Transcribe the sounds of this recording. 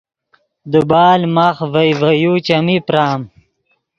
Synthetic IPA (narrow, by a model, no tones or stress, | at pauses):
d̪ubaːlmaχvɐjvɐjut͡ʃɐmipɾaːm